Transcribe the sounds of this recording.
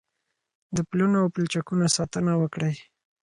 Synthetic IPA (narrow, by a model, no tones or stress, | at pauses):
d̪əplunoawpəlt͡ʃakunasɑt̪ənawəkɽəj